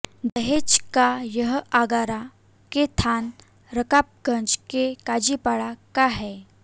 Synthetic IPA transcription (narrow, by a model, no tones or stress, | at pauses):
d̪əɦet͡ɕkajəɦəʔaɡaɾa | ket̪ʰan | ɾəkap̚ɡə̃nd͡ʑkekad͡ʑipaɭakaɦɛ